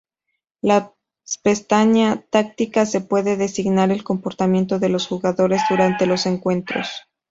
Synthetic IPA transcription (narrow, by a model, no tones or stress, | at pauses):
la | spest̪aɲat̪ak̚t̪ikase̞pwe̞ðe̞ðe̞siɣnaɾe̞lko̞mpo̞ɾt̪amje̞nt̪o̞ðe̞lo̞sxuɣaðo̞ɾe̞zðuɾant̪e̞lo̞se̞ŋkwe̞nt̪ɾo̞̰s